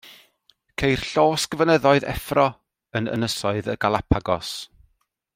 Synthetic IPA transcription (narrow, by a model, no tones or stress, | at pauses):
kʰejr̥ɬoːsɡ̥əvənɛðɔɨðɛ̰frɔ | ənə̰nəsɔɨðəɡalˠapʰaɡɔs